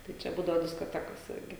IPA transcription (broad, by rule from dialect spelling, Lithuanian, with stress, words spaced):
tɐɪ ˈt͡ʃʲɛ ˈbuːdɐʋoː dʲɪskoːˈtʲæːkoːs ˈɪrʲɡʲɪ